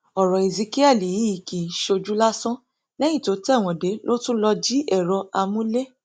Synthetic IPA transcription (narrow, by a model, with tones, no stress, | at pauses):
ɔ˨ɾɔ˨i˨zi˨˧ki˦ɛ˦˨li˨ji˦i˨ki˨ʃo˧d͡ʒu˦la˦sɔ̃˦ | lɛ˦jĩ˦˨to˨˦tɛ˦˨w̃ɔ̃˨de˨˦lo˦tũ˦lɔ˧d͡ʒi˦ʔɛ˦˨ɾɔ˧a˧mũ˦le˦